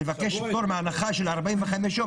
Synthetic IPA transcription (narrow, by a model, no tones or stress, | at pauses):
evakeʃtoɾmeanaχaʃelaʁbaimveχameʃo